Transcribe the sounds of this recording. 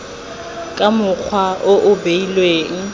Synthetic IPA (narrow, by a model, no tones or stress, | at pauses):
kʼamʊk͡xʰwaʔoʔʊbeilweːŋ̩